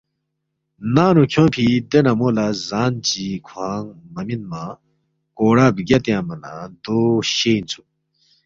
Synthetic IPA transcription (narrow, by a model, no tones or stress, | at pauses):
naːnukʰjõnpʰid̪enamoːlazaːnt͡ɕikʰwaːŋmɐminmã | koːɽaːbɡʲat̪jãːmɐnã̰d̪oːɕeːnt͡sʰu